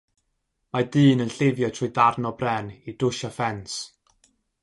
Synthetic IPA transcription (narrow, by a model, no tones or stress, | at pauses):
madɨːnənɬevjɔtʰrʊɨdarnɔbrɛnid̥ʊʃafɛns